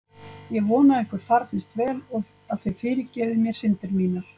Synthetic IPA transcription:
jɛɣvɔːnaɛhkʏɾ̥faɾp̪nɪst̪vɛːlɔ | aðθœɥfɪːɾɪɾcɛːvðɪmjɛɾ̥sɪnt̪ɪɾmiːnaɾ̥

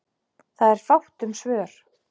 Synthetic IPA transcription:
θaðɛɾ̥fawht̪ʏmsvœːɾ̥

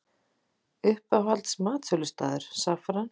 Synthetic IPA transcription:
ʏhpavalt̪smaːt̪fʏlʏst̪a̰ːðʏɾ̥safɾan

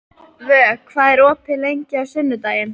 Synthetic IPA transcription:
vœːkʰvaːðɛɾɔːpʰɪlejɲcɪawsɪnːʏt̪aːjɪn

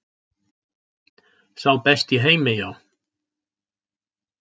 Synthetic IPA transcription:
θawpɛst̪iɦejmɪjaw

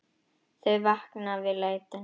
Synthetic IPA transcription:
θœjvahknavɪleːjt̪ɪ

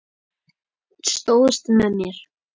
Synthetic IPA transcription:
tst̪owðəst̪mɛðmjɛɾ̥

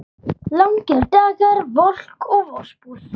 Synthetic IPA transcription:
lawŋkɛɾd̪aːɣaɾvɔl̥kʰɔɣvɔspuɾ̥

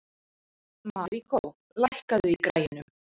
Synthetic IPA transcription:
maɾikʰow | lajhkaðʏikɾaːjɪnʏm

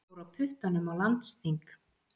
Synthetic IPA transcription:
wɾawpʰʏht̪anːʏmawlant̪st̪iŋk

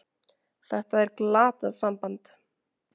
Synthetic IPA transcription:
θɛht̪aɛɾklaːt̪aðsampant̪

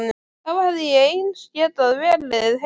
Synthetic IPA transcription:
nɪ | θavahaððɪjɛejnsɛːt̪aðvɛːlɪðɦ

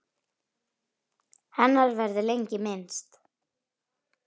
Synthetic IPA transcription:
hanːaɾvɛɾðɪlejɲcɪmɪnst̪

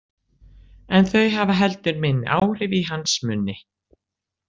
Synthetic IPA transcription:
ɛnθœɥjɦavaɦɛlt̪ʏɾmɪnːɪ̰ʔaːwɾ̥ɪviɦansmʏnːɪ

